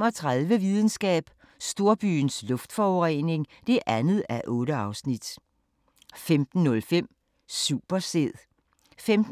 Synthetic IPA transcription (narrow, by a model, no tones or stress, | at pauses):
ɒt͡sʰʁaðˠʋəʋiðˠn̩sɡ̥ɛ̰ːb̥ | sd̥o̝ɐb̥y̰ːnslɔ̽fd̥fɒʁɛne̝ŋd̥e̝ʔænð̞̩ˠæɐʔɔ̽ːɾəɑ̈ʊsnid̥ | femd̥n̩ːɔ̽lfem̰ | sṵːb̥ɐse̝ð̰ˠ | femd̥